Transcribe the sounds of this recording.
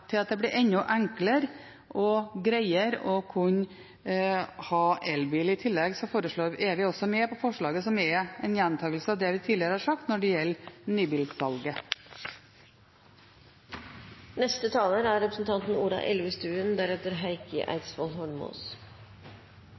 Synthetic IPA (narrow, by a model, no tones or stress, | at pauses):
t̪ʰɪlɑt̪̚d̪ɛblɪɾʔɛɲːʊʔæŋkləɾ | ʔɔɡɾæɪəɾɔkʰʉɲ | hɑːʔɛlbiːlɪt̪ʰɪlːɛɡsɔfoːɾəʂɭoːɾɛʋɪɔsɔmɛːpɔfɔʂɭɑːɡəsɔmɛɛnjænt̪ʰɑːɡlsəɑːʋd̪ɛːʋɪt̪ʰiːlɪəɾəhɑːɾʂɑk̚t̪nɔɖɛjɛlːnyːbiːld̪sɑlɡə | nɛst̪ət̪ʰɑːləɾæɾɾɛpɾə̥sn̩t̪ʰɑnt̪n̩uːɖɑ̰ʔɛ̰lʉst̪ʉːənd̪æɾɛt̪əɾɦæɪkə̰ʔæ̰ɪt̪sfɔlɦɔɳmṵːs